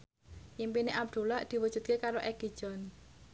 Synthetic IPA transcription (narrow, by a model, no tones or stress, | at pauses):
jimpineʔab̚d̪̥ṳlad̪̥i̤wud̥ʒ̥ṳt̪̚kekaɾoʔɛɡ̥i̤̥ʒ̥ɔn